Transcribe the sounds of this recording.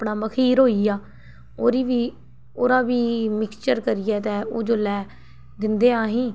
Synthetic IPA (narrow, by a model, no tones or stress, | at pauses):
pɳaːməkʰiːɾɦoːiːjaː | oːɾiːʋiː | oːɾãːʋiːmɪkst͡ʃəɾkəɾɪjɛːt̪ɛːoːd͡ʒoːlɛː | d̪ɪnd̪eːaːɦĩː